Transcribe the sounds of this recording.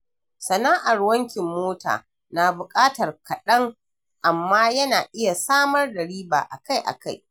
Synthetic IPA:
sɐ˨naː˦ʔa˨rwɐ˦ŋkʲɪ˨mːoː˦ta̰ː˨ | na˨bʊ˨kʼaː˦tɐ˨rkʰɐ˨ɗɐ˦ŋ | ʔa˨mːaː˦jɐ˦naː˨ʔɪ˦ja˨saː˦mɐ˦rdɐ˨ɽiː˦ba̰ː˨ʔa̰˨ka˦jʔa̰˨ka˦j

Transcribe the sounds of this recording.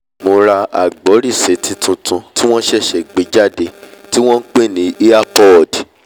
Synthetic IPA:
mo˧ɾa˧a˨ɡ͡bɔ˨˦ɾi˦˨se˨˦tĩ˧tʰũ˧tũ˧ti˦w̃ɔ̃˦ʃɛ˦˨ʃɛ˨ɡ͡be˨˦d͡ʒa˦˨de˧ti˦w̃ɔ̃˦n̩˦k͡pe˦˨nĩ˨˦ʔi˦a˦pɔ˦˨d

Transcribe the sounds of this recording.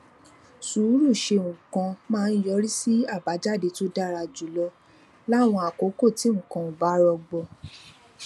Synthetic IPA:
suː˨˦ɾu˦˨ʃe˧ŋ̩˨kɔ̃˧mãː˦˧n̩˦jɔ˧˦ɾi˦si˦a˦˨ba˨˦d͡ʒa˦˨de˧to˦da˦˨ɾa˧d͡ʒu˨lɔ˧ | la˦˨w̃ɔ̃˧a˨ko˨˦ko˦˨ti˨˦ŋ̩˨kã˧o˨ba˨˦ɾɔ˧ɡ͡bɔ˧

